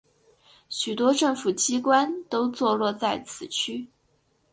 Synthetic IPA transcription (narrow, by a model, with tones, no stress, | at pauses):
ɕy˨˩t̪wɔ˥ʈ͡ʂɤ˥˩ŋfu˨˩t͡ɕi˥kwa˥nt̪o˥ʊt͡swɔ˥˧lwɔ˥˧t͡sa˥˩ɪt͡sʰɹ̩˨˩t͡ɕʰy˥